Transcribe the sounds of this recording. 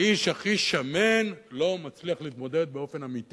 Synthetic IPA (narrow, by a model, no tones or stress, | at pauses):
iʃaχiʃamenlo̞mat͡sliaχliːt̪mo̞d̪e̞d̪̚beo̞fe̞namit̪i